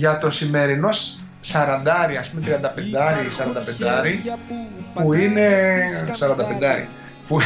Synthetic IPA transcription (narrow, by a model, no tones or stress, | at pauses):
ʝɐt̪o̞sime̞ɾino̞s | sɐɾɐnd̪ɐɾiɐspume̞t̪ɾiɐnd̪ɐpe̞nd̪ɐɾisɐɾɐnd̪ɐpe̞nd̪ɐɾi | puine̞sɐɾɐnd̪ɐpe̞nd̪ɐɾḭ | pu